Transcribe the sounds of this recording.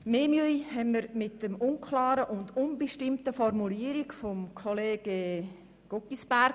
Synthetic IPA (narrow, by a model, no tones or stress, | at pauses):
meːmyəjhɛmmːəɾmɪtdəmʊnkʰlɑːɾəʔʊndʊnbəʃtɪmtəfɔrmuliːəɾikfɔmkʰɔleːɡ̥e | ɡ̥okisbæɾɡ